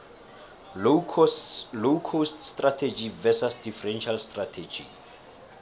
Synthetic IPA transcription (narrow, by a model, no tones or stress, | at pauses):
lokʰoststʼratʰed͡ʒivɛsasdifɛrɛnʃalstʼratʰed͡ʒḭ